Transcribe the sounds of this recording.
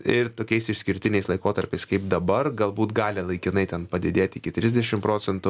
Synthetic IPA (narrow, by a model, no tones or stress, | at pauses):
ɪɾt̪oːkʲɛɪsɪʃʲsʲkʲɪɾʲt̪ʲɪnʲɛɪslˠɐɪkoːt̪ɐɾʲpʲɛɪskɐɪpd̪ɐbɐrɡɐlˠbuːt̪ɡɑːlʲɪlˠɐɪkʲɪnɐɪt̪ʲɛnpɐd̪ʲɪd̪ʲeːt̪ʲɪkʲɪt̪ʲɾʲɪzʲd̪ʲɛʃʲɪmpɾoːt͡ssʲɛnt̪ʊ